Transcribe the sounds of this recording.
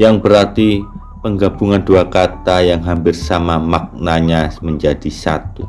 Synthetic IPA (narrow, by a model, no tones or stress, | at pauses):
jaŋbəɾart̪i | pəŋɡabuŋanduakat̪ajaŋɦampɪrsamamak̚naɲasməɲd͡ʒadisa̰t̪u